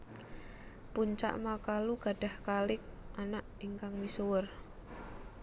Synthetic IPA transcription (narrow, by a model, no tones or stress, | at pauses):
puɲt͡ʃa̰ʔmakaluɡ̥a̤ɖ̥a̤hkalɪk̚ʔanaʔiŋkaŋmisuwʊr